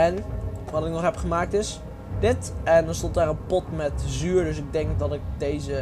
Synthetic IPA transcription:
ɛnʋɑtɪk̚nɔχɦɛpχəmaːk̚tɪs | dɪtɛndɔnstɔntaːɹənpɔtmɛtzyːɹdɵsɪɡ̚dɛŋkdɑtɪk̚dejzə

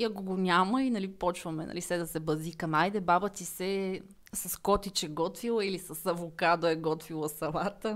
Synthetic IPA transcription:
iɐkoɡonʲaməinɐlipɔt͡ʃvɐmɛnɐ̰lisɛd̪ɐsɛbɐzikɐmajd̪ɛbabət̪isɛ | sɐskɔt̪it͡ʃɛɡɔt̪vilˠəilisɐsɐvʊkad̪oɛɡɔt̪vilˠɐsɐlˠat̪ə

